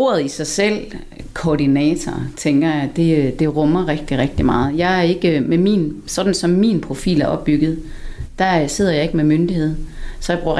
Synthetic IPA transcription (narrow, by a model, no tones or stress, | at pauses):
o̝ːɐðˠisɑ̈ɪsel̰ | kʰɒːɾinɛt͡sʰɒt͡sʰeŋɡ̥ɐjɑ̈ɪd̥e̝d̥e̝ʁɔ̽mɐʁeɡ̥d̥iʁɛɡ̥̚d̥imɑ̈ːð̞̩ˠjɑ̈ɪæɐe̝ɡ̥əmemḭːnsɒ̽d̥n̩sɒ̽mːḭːnpʰʁo̝fḭːlæɐʔɒ̽b̥̚ːyɡ̥ð̞̩ˠ | d̥æse̝ð̞̰ˠɐjɑ̈e̝ɡ̥əmemønd̥ihe̝ð̞̰ˠsɒ̽b̥ʁu